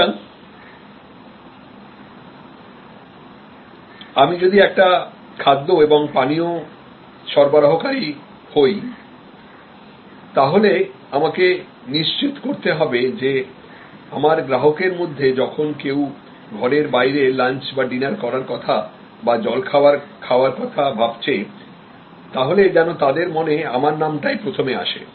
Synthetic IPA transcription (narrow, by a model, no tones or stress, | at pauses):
amid͡ʑod̪iɛk̚ʈa | kʰad̪ːoeboŋpanio | ʃɔɾbaɾaɦokaɾi | hoj | t̪aɦole | amake | niʃt͡ɕit̪koɾt̪eɦɔbed͡ʑe | amaɾɡɾaɦokeɾmod̪ʱːed͡ʑɔkʰonkew | ɡʱɔɾeɾbajɾelant͡ɕbaɖinaɾkɔɾaɾkɔt̪ʰa | bad͡ʑɔlkʰaoaɾkʰaoaɾkɔt̪ʰabʱabt͡ɕʰe | t̪aɦoled͡ʑɛnot̪ad̪eɾmoneamaɾnamʈajpɾot̪ʰomea̰ʃḛ